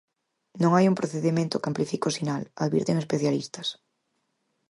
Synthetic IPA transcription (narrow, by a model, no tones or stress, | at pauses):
nõŋajumpɾoθeðimẽnt̪ʊkamplifikosinalaðβḭɾt̪eŋespeθjalist̪ɐs